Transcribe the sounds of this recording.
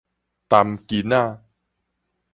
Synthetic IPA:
t̪a˧mki˧naː˥˧˩

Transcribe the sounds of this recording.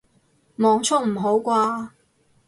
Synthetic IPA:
mɔː˨˧ŋt͡sʰʊ˥ŋ̚m̩˨˩ɦo˨˥wkʷaː˧

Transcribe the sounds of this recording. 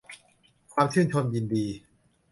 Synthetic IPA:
kʰwaː˧mt͡ɕʰɯː˥˩nt͡ɕʰo˧mji˧ndiː˧

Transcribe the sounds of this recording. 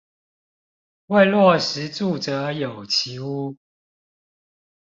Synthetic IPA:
wa˥˧ɪlwɔ˥˩ʂɻ̩˨˦t͡su˥˩t͡sə˨˦jo˨˩ʊt͡ɕʰi˨˦u˦

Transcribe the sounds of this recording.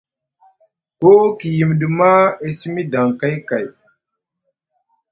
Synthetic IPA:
ko˦ki˨ji˨mɗu˨ma˦e˦si˦mi˦da˨ŋ˨ka˦jka˨j

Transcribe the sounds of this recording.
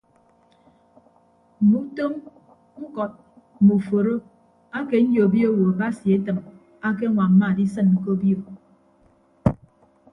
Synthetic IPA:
m̩˨mu˦to˦m | ŋ̩˦kɔ˨t̚ | m̩˨mu˨fo˨ɾo˦ | a˦ke˨n̩˦jo˨bjo˦wo˨a˨ba˦si˨e˦tɨ˨m | a˦ke˦ŋʷa˨m̩˦ma˦˨di˦sɨ˦nŋ̩˨ko˦bjo˨

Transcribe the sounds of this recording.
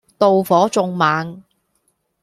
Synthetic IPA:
t̪o˧wfɔː˨˥t͡sʊ˧ŋmaː˨ŋ

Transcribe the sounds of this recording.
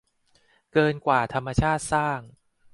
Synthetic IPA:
kɤː˧nkwaː˨˩t̪ʰa˧mːa˧t͡ɕʰaː˥˩t̪̚saː˥˩ŋ

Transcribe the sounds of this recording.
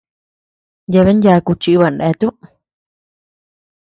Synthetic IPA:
ja˧βe˦nja˧ku˧t͡ʃi˧˦βa˧˨ne˧˦˧t̪u˦

